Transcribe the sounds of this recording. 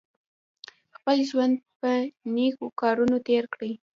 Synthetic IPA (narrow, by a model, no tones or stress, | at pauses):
xpəlʒwand̪̚pənekokɑɾunot̪eɾkɽəj